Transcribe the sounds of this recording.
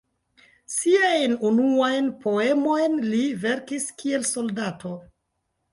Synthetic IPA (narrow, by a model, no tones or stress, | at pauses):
siajnunuajnpʰo̞e̞mo̞jnlive̞ɾkiskʰie̞lso̞ldato̞